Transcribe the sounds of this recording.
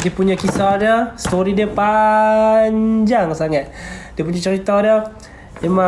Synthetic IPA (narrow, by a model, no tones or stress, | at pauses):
diəpuɲakisadəsət̪oɾidiəpa | ɲd͡ʒaŋsaŋat̪̚dipuɲat͡ʃəɾit̪adə | mema